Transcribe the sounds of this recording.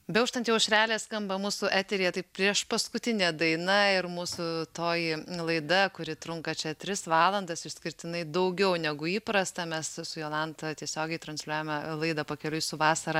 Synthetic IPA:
bʲɛʊʃt̪ɐnt̪jɛʊʃʲɾʲæːlʲeːskɐmbɐmuːsʊʔæːt̪ʲɛɾʲijɛt̪ɐɪppʲɾʲiɛʃpɐskʊt̪ʲɪnʲɛːd̪ɐɪnɐɪɾmuːsʊt̪oːjɪlˠɐɪd̪ɐkʊɾʲɪt̪ɾʊŋkɐt͡ʃʲɛt̪ʲɾʲɪsʋɑːlˠɐnd̪ɐsɪʃsʲkʲɪɾʲt̪ʲɪnɐɪd̪ɐʊɡʲɛʊnʲɛɡʊiːpɾɐst̪ɐmʲɛssʊjoːlˠɑnt̪ɐt̪ʲiɛsʲoːɡʲɛɪt̪ɾɐnʲsʲlʲuuːjɛmʲɛlˠɐɪd̪ɐpɐkʲɛlʲʊjsʊʋɑːsɐɾɐ

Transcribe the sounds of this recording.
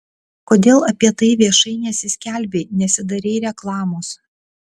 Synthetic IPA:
koːd̪ʲeːlˠɐpʲiɛt̪ɐɪʋʲiɛʃɐɪnʲɛsʲɪsʲkʲæˑlʲbʲeːnʲɛsʲɪd̪ɐɾʲeːɾʲɛklˠɑːmoːs

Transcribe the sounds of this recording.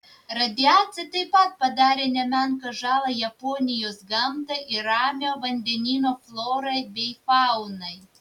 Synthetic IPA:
ɾɐd̪ʲɪɑːt̪sʲɨt̪ɐɪpɐt̪̚pɐd̪ɑːɾʲeːnʲɛmʲæŋkɐʒɑːlˠɐjɐpoːnʲɪjoːsɡɐmt̪ɐʔɪɾɑːmʲoːʋɐnʲd̪ʲɛnʲiːnoːflˠoːɾɐɪbʲɛɪfɑʊnɐɪ

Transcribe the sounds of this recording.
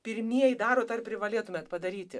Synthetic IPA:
pʲɪɾʲmʲiɛjɪd̪ɑːɾoːd̪ɐrpʲɾʲɪʋɐlʲiɛt̪ʊmʲɛːt̪pɐd̪ɐɾʲiːt̪ʲɪ

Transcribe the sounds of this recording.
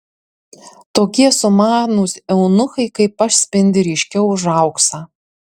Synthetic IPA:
t̪oːkʲiɛsʊmɑːnuːsʲɛʊnʊxɐɪkɐɪpɐʃsʲpʲɪnʲd̪ʲɪɾʲiʃʲkʲɛʊʒɐˑʊksɐː

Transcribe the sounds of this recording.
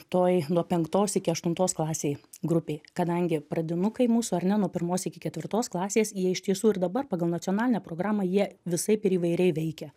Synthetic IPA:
t̪oːjnuɔpʲɛŋkt̪oːsɪkʲɪɐʃt̪ʊnt̪oːsklˠɑːsʲeːjɡɾʊpʲeːkɐd̪ɐŋʲɡʲɪpɾɐd̪ʲɪnʊkɐɪmuːsʊɐɾʲnʲɛnuɔpʲɪɾmoːsɪkʲɪkʲɛt̪ʲʋʲɪɾt̪oːsklˠɑːsʲeːsjiɛɪʃt̪ʲiɛsuːɪɾd̪ɐbɐrpɑːɡɐlˠnɐt̪t͡s̪sʲiɔnɑːlʲɪnʲɛːpɾoːɡɾɑːmɑjiɛʋʲɪsɐɪpɪɾiːʋɐɪɾʲɛɪʋʲɛɪkʲɛ

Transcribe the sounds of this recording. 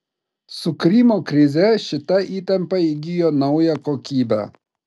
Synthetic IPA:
sukɾimokɾizeɕit̪ɐʔit̪ɐmpɐiɡijɔnɐujakɔkibɐ̰

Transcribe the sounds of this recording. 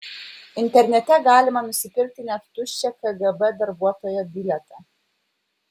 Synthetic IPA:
ɪnʲt̪ʲɛɾʲnʲɛt̪ʲɛɡɑːlʲɪmɐnʊsʲɪpʲɪɾʲk̚t̪ʲɪnʲɛt̪t̪ʊʃʲt͡ʃʲɛkɐɡɐbɛd̪ɐɾbuɔt̪oːjɛbʲɪlʲɛt̪ɑˑ

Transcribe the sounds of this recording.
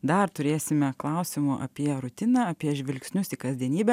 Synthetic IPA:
d̪ɐɾt̪ʊɾʲeːsʲɪmʲɛklˠɐʊsʲɪmʊʔɐ̰pʲiɛɾʊt̪ʲɪnɑɐpʲiɛʒʲʋʲɪlʲksʲnʲʊsɪkɐzʲd̪ʲiɛnʲiːbʲɛ

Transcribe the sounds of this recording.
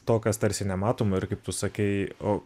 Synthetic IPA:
t̪oːkʲɐst̪ɐɾʲsʲɪnʲɛmɑːt̪oːmɐɪɾkɐɪp̚t̪ʊsɐkʲɛɪoː

